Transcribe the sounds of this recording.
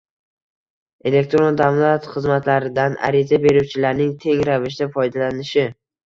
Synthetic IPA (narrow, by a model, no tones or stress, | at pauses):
e̞le̞k̚t̪ɾo̞nd̪avlˠat̪χɨzmat̪laɾɪd̪ana̰ɾizabe̞ɾuwt͡ʃʰɪlaɾnɪŋt̪ʰe̞ŋɾavɪʃ̬d̪afɒjd̪alanɪʃɪ